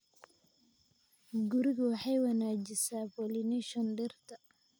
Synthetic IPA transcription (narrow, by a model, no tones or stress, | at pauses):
ɡuɾɪɣwɑħɑjwɑnaːd͡ʒɪsaːpɔlinɛʃɔnɖɛrt̪ʰɐ